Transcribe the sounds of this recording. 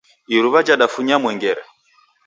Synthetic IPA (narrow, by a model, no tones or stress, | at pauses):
iɾuβad͡ʒaɗafuɲamwɛŋɡɛɾɛ